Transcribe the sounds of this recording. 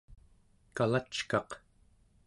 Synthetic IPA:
kalat͡ʃkɑq

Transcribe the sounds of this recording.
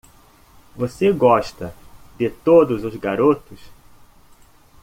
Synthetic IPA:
voseɡɔʃt̪ɐd̪ɪt̪od̪ʊzʊzɡaɾot̪ʊs

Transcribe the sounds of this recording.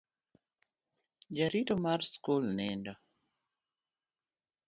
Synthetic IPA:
d͡ʒaɾitɔmarskulnɛndɔ

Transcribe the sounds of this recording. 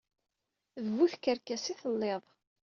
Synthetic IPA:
əvvːuθkəɾkæsiθəlːeðˤ

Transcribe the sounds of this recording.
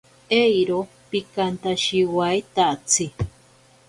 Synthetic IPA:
ejɾo | pikant̪aʃiwajt̪at͡sʰi

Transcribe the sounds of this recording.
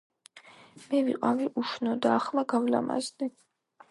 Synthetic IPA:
mɛvḭqʼaviʔuʃnɔd̪aːχlaɡavla̰ma̰zni

